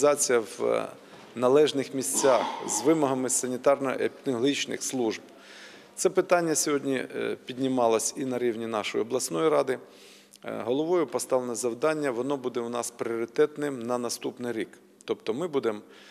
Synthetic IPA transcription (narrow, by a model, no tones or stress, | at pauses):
zɑt͡sʲijɐʋ | nɐlˠɛʒnɪxmʲisʲt͡sʲɑxzʋɪmɔɦɐmɪsɐnʲit̪ɑrnɔ̰ḛpʲt̪ɪɔlˠɐɦit͡ʃnɪ̰xslˠuʒb̚ | t̪sɛpɪt̪ɑnʲːɐsʲɔɦɔdʲnʲipʲidʲnʲɪmɑlˠɐsʲinɐɾʲiwnʲinɑʃɔjɔblˠɐsnɔjiɾɑd̪ɪ | ɦɔlˠɔʋɔjʊpɔst̪ɑʋlˠenɔzɐwd̪ɑnʲːɐʋɔnɔbud̪ɛwnɑspɾʲɪɔɾʲɪt̪ɛt̪nɪmnɐnɐst̪upnɪjɾʲik | t̪ɔpt̪ɔmɪbud̪em